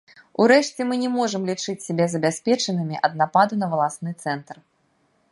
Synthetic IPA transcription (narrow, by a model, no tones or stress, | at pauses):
uɾɛʂt͡sʲɛmɨnʲɛmɔʐɨmlʲit͡ʂɨt͡sʲsʲabʲɛzɐbʲasʲpʲɛt͡ʂɐnɨmʲiʔɐd̪̚napad̪unɐvɐlˠasnɨt̪sɛnt̪r